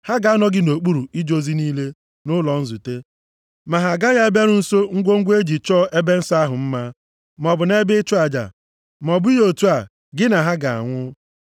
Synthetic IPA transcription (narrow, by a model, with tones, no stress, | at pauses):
ha˦ɡa˨a˦nɔ˨ɡɪ˦no˨k͡pu˦ɾu˨i˦d͡ʒo˦zi˦niː˦le˦ | nʊ˦lɔ˨n̩˦zu˨te˦ | ma˨ɦa˨ɡa˦ja˦e˦ba˦ɾʊ˦n̩˦so˦ŋ̩˦ɡʷo˦ŋ̩˦ɡʷe˦d͡ʒi˨t͡ʃɔː˦˨ʔe˦be˦n̩˦sa˦ɦʊ˨m̩˦ma˦ | mɔ˨bʊ˨ne˦bɪ˦t͡ʃʊ˦a˨d͡ʒa̰˨ | m˨ɔ˨bʊ˦i˦jo˨tu˦a˨ | ɡɪ˦na˨ɦa˦ɡa˨a̰˨ŋʷʊ˦